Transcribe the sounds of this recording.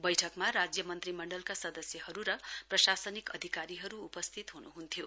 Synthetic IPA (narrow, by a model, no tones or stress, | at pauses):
bʌjʈʰʌkmaɾad͡zjʌmʌnt̪rimʌɳɖʌlkasʌd̪ʌsjʌɦʌɾuɾʌprʌsasʌnikʌd̪ʱikaɾiɦʌɾuːpʌst̪ʰit̪ɦunuɦunt̪ʰijo